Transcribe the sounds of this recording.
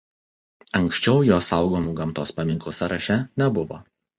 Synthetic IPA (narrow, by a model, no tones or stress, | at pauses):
ɐŋʲkʲsʲt͡ʃʲɛʊjoːsɐˑʊɡoːmuːɡɐmt̪oːspɐmʲɪŋklˠʊsɐɾɐʃʲɛnʲɛbʊʋo̰ː